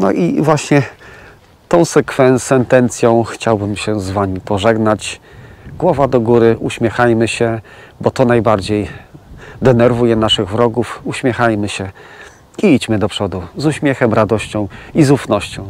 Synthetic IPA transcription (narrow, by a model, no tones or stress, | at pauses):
nɔʔivwaɕɲɛ | t̪ɔ̃w̃sɛkfɛntsɛnt̪ɛnt̪sʲjɔ̃w̃xt͡ɕawbɘmɕɛzvamʲipɔʐɛɡnat͡ɕ | ɡwɔvad̪ɔɡuɾɘʔuɕmʲjɛxajmɘɕɛ | bɔt̪ɔnajbaɾd͡ʑej | d̪ɛnɛɾvujɛnaʂɘɣvɾɔɡufuɕmʲjɛxajmɘɕɛ | iit͡ɕmɘd̪ɔpʂɔd̪uzuɕmʲjɛxɛmɾad̪ɔɕt͡ɕɔ̃w̃izufnɔɕt͡ɕɔ̃w̃